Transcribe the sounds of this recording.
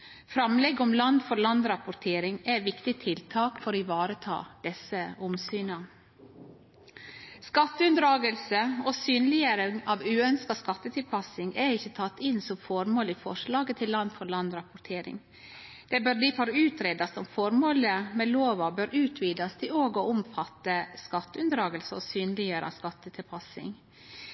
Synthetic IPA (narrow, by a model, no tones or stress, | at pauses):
fɾɑmlɛɡːɔmlɑnd̪fɔɾlɑnd̪ɾɑpʊɾt̪ʰeːɾɪŋɛʋɪkt̪ɪt̪ʰɪlt̪ʰɑːkfɔɾɪʋɑːɾət̪ʰɑ̰ːd̪̥ɛsəʊmsyːnɑ | skɑt̪ːəʉnd̪ɾɑːɡəlsəɔsyːnlɪəɾəɑʋʉːœnskɑskɑt̪ːət̪ʰɪlpʰɑsɪŋɛɾɪçːət̪ʰɑt̪ːɪnsɔmfɔɾmoːlifɔʂlɑːɡət̪ʰɪlːɑnd̪fɔɾɭɑnd̪ɾɑpʊɾt̪ʰeːɾɪ̰ŋ | d̪̥ɛbøːɾd̪ifɔɾʉːt̪ɾeːd̪ɑsɔmfɔɾmoːləmɛːloːʋɑbøːɾʉːt̪ʰʋiːd̪ɑst̪ʰɪoːɡɔʊmfɑt̪ːəskɑt̪ːəʉnd̪ɾɑːɡəlsəɔ̰syːnəlɪjøːɾəɑ̰skɑt̪ːət̪ʰɪlpʰɑsɪ̰ŋ